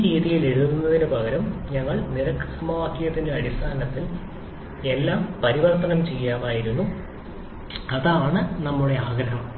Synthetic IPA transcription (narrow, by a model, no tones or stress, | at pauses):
ɾiːðijileɽuðunːɐðinɨbɐɣɐɾɐmɲɐŋːɐɭniɾɐksɐmɐʋaːkːjjɐt̪ːinde̞ɐɽist̪ʰaːnɐt̪ːil | e̞lːaːmpɐɾiʋɐrt̪ɐnɐmt͡ɕe̞jːaːmaːjiɾunːu | ɐðaːɳɨnɐmːuɽe̞aːɡɾɐɦɐm